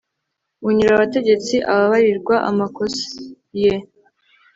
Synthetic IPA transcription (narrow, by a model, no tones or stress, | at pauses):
uɲiɾaβate̞ɟe̞t͡siʔaβaβaɾiɾɡwaʔa̰makosi | je